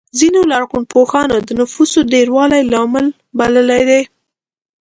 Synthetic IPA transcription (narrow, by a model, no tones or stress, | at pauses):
zinolaɽɣunpoxɑnad̪ənʊfusodeɾwɑlajlɑməl | baləlajd̪e